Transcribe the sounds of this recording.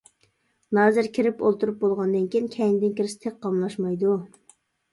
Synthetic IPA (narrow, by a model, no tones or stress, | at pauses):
nɑːzɪɾkʲʰiɾɪpo̰lˠt̪ʰuɾup̚bolˠʁɑnd̪ɨnkʲiinkʲʰɛjind̪ɪnkʲʰiɾɪsɪ̥t̪ʰek̚qɑmlˠɑʃmɑjd̪u